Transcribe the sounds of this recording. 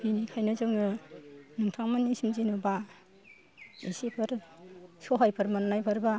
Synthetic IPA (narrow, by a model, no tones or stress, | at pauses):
binikʰajnɯzɯŋɯnuŋtʰaŋmanːisimzinɯba | isipʰɯɾsoɦajpʰɯɾmannajpʰɯɾba